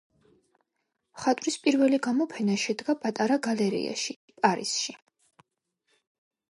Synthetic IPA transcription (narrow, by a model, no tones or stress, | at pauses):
mχat̪ʼwɾispʼiɾvɛliɡamɔpʰɛnaʃɛd̪ɡapʼat̪ʼaɾaɡalɛɾḭa̰ʃi | pʼaɾḭsʃi